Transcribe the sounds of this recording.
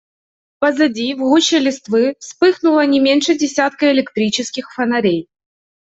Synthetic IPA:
pɐzɐd͡zʲivɣuɕɪlʲɪst̪vɨfspɨxnʊlˠɐnʲɪmʲenʲʂɛdʲɪsʲat̪kɐɛɪlʲɪkt̪ɾʲit͡ɕɪskʲixfɐnɐɾʲej

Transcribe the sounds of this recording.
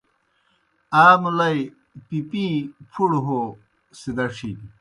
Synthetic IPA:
aːmlɐj | pipĩpʰuɽɦo | sid̪ɐʂʰidi

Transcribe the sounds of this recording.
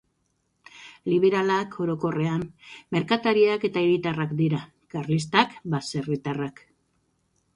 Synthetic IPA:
liβ̞e̞ɾalakʰo̞ɾo̞ko̞re̞amːe̞ɾkat̪aɾiake̞t̪aeɾit̪arakd̪iɾa | karlis̬t̪akbase̞rit̪arak

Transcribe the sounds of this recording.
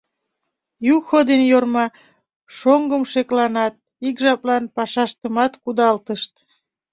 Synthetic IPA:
juxod̪enjormɑ | ʃoŋɡəmʃeklɑnɑt̪̚ | ikʒɑplɑnpɑʃɑʃt̪əmɑt̪kud̪ɑlt̪əʃt̪

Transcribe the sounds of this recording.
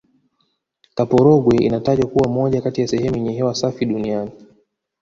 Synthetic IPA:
kapɔɾɔɡwɛḭnataʄwakuwamɔʄakatijasɛhɛmuɛɲɛɦɛwasafiɗuniani

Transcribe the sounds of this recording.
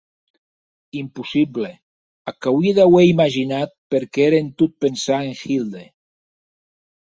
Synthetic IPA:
impusible | akawiðaweimaʒinat̪̚peɾkeeɾent̪ut̪̚pensaeŋxild̪e

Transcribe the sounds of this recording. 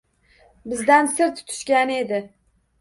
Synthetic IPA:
bɪzd̪ænsɪɾt̪ʰʊ̥t̪ʰʊ̥ʃkʲæned̪ɪ

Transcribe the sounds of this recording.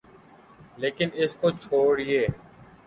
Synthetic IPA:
leːkɪnɪskot͡ʃʰoːɽijeː

